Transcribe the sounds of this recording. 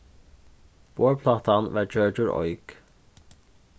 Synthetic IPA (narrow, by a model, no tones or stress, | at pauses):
b̥oːɹpʰlɑːt̪anʋɑːɹd͡ʒœɹd͡ʒʊɹɔ̰ʏk